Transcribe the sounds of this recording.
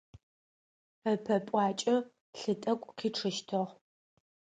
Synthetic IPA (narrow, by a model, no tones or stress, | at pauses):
ɐpʰɐpʼɑːt͡ʃʼɐ | ɬɨtʼɐkʷʼqʰiːʈ͡ʂʰɨʃtʰɨʁ